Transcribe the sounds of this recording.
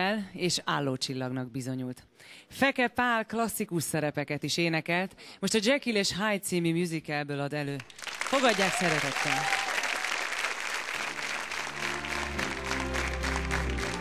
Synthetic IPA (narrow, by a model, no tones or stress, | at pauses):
ɛleːʃaːlːoːt͡ʃilːɒɡnɒɡ̚bizo̞ɲult̪fɛkɛpaːlklɒsːikuʃsɛɾɛpɛkɛt̪iʃeːnɛkɛlt̪mo̞ʃt̪ɒd͡ʒɛkileːʃɦajt̪siːmimjuzikɛlbøːlɒd̪ɛløːfo̞ɡɒɟːaːksɛɾɛt̪ɛt̪ːɛn